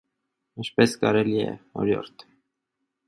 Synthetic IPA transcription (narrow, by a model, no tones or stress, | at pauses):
int͡ʃʰpɛskɑɾɛliɛ̰hɔ̰ɾjɔ̰ɾt̪ʰ